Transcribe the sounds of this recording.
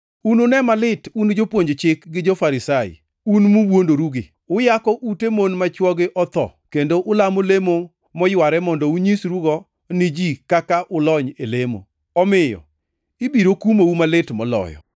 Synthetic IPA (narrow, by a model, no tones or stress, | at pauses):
unonɛmalɪtund͡ʒopwoɲd͡ʒt͡ʃɪkɡɪd͡ʒɔfaɾɪsajɪ̰ | unmuwondoɾuɡɪ | ʊjakɔʔutemonmat͡ʃwɔɡɪʔɔt̪ɔ̰kendoʔʊlamolemo | mɔjwaɾɛmɔndɔuɲisɾuɡɔ | nid͡ʒikakaʔʊlɔɲelemo̰ | ɔmɪjɔ̰ | ibiɾokumoumalɪtmɔlɔ̰jɔ̰